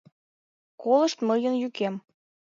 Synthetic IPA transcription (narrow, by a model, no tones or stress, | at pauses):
kolə̆ʃt̪məjənjykem